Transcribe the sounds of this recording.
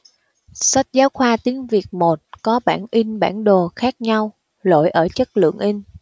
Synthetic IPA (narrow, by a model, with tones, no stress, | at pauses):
sa˦˥t̚zaː˨˦wxwaː˧t̪i˨˦əŋvi˨˩ək̚mo˨˩t̚kɔ˨˦ɓaː˧˩nʔi˧ŋ̟ɓa̰ː˧˩nɗo˨˩xaː˦˥k̚ɲa˧w | lo̰˧˨jʔəː˧˩t͡ɕə˦˥k̚lɨ̰˧˨əŋʔi˧ŋ̟